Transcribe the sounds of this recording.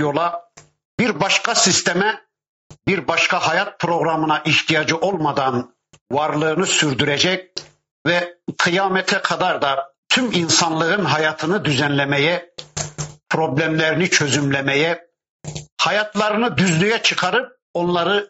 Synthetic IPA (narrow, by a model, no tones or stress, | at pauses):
jo̞lˠa | biɾbaʃkasist̪ʰemɛ | biɾbaʃkahajat̪̚pʰɾo̞ɣɾamɯnaʔiht̪ʰijad͡ʒɯʔo̞lˠmad̪an | vaɾlˠɯːnɯsyɾd̪yɾɛd͡ʒɛc̚ | vɛkʰɯjaːmɛt̪ʰɛkʰad̪aɾd̪at̪ʰyminsanlˠɯɯnɦajaːt̪ʰɯnɯd̪yzɛnlʲɛmɛjɛ | pʰɾo̞blʲɛmlʲeɾinit͡ʃʰø̞zymlʲemɛjɛ | hajat̪ʰlˠaɾɯnɯd̪yzlyjɛt͡ʃʰɯkʰaɾɯp̚ | o̞nlˠaɾɯ